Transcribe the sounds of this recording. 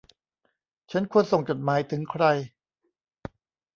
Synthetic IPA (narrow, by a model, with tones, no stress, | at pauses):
t͡ɕʰa˦˥nkʰu˧ənso˨˩ŋt͡ɕo˨˩t̪̚maː˩˦jt̪ʰɯ˩˦ŋkʰɾa˧j